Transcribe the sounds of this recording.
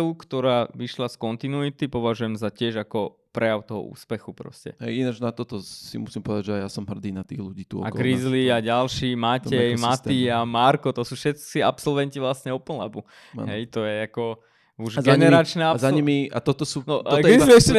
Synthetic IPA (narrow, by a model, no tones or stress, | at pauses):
kt̪ɔɾaːʋiʃlaskɔnt̪inuit̪ipɔʋaʒujɛmzacɪɛʒakɔpɾɛjaʊt̪ɔɦɔ̰ṵːspɛxupɾɔ̰scɛ̰ɦɛ̰jinad͡ʒnat̪ɔt̪ɔsḭmusimpɔʋɛd̪aʒɛajasɔmɦr̩d̪iːnat̪ḭːɣluɟiːt̪uɔ̰akɡkɾizliaɟalʃiːmacɛjmat̪iamaɾkɔt̪ɔsuːfʃɛt̪t͡siapsɔlʋɛnciʋlasɲɛɔpl̩la̰bṵ | ɦɛjt̪ɔjɛakɔ | uʒzɡɛnɛɾat͡ʃnɛazaɲimia̰t̪ɔt̪ɔsuːnɔd̪ɡ̪iiɛʃcɛ